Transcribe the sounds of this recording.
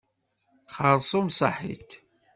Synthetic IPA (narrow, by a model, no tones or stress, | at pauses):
χəɾˤsˤomsˤɑ̰ħḭt̪